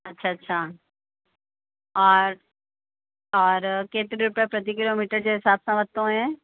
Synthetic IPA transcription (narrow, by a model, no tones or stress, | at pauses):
ɐtːʃʰaɐtːʃʰa | ɔːɾ | ɔːɾkeːt̪ɾiɾʊpepɾɐt̪̬ikɪloːmiːʈəɾd͡ʑoɦɪsaːbsɐ̃ʋət̪ːõɦɛ̃ː